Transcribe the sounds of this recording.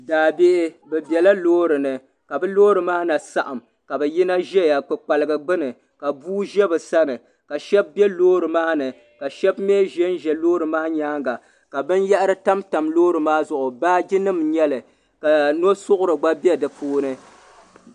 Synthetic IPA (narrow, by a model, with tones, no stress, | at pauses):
daː˨be˦ʔɪ˦bɛ˨bjɛ˨la˦loː˦ɾɨ˨nɨ˨ | ka˨bɨ˦loː˦ɾɨ˨maː˦na˨sa˦ʔa˨m | ka˨bɛ˨ji˦na˦ʒɛ˦ja˨k͡pɨ˨k͡pa˨lɨ˨ɡɨ˨ɡ͡bɨ˦nɨ˨ | ka˨buː˦ʒɛ˦bɨ˨sa˦nɨ˨ | ka˨ʃɛ˦b̚bɛ˦loː˦ɾɨ˨maː˦nɨ˨ | ka˨ʃɛ˦bmeː˦ʒɛ˦nʒɛ˨loː˦ɾɨ˨maː˦ɲaː˦ŋɡa˨ | ka˨bɨ˦njɛ˦ʔɨ˦ɾɨ˦ta˦mta˨mloː˦ɾɨ˨maː˦zʊ˨ʔʊ˨baː˦d͡ʒi˦nɨ˦mɲɛ˦lɨ˨ | ka˨no˦sʊ˦ʔʊ˦ɾɨ˨ɡ͡ba˦bɛ˦dɨ˨pʰoː˦nɨ˦